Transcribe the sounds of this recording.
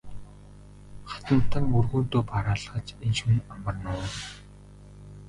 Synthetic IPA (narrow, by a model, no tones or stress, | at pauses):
χḁt̪ə̆nt̪ʰə̆ŋurɣuːnt̪oːpʰaɾaːɮχə̆t͡ɕenʃŭnamə̆rnʊː